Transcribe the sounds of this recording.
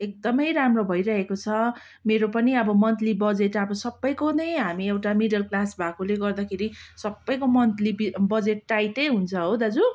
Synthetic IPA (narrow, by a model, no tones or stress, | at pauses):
ek̚d̪ʌmʌjɾamrobʱʌjɾʌɦekot͡sʰʌ | meɾopʌniʌbʌmʌnt̪libʌd͡zeʈʌbʌsʌbːʌjkonʌjɦamiewʈamiɖʌlklasbʱakuleɡʌrd̪akʰeɾisʌbːʌjkomʌnt̪libibʌd͡zeʈːajtʌjɦunt͡sʰʌɦowd̪ad͡zu